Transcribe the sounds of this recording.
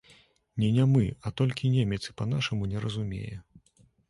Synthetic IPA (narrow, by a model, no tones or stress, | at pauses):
nʲɛnʲɛmɨat̪ɔlʲkʲinʲemʲɛt̪sɨ̥pɐnaʂɐmunʲɛɾɐzumʲḛjɛ̰